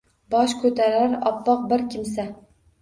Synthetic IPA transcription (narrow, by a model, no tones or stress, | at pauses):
bɒʃkʰɵt̪ʰaɾaɾɒ̰pːɒq̚bɪɾkʲʰɪmsa